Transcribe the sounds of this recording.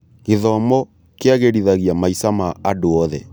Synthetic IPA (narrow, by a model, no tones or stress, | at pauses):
ɣeðɔmɔ | keaɣeɾiðaɣiamaisamaadoɔðɛ̰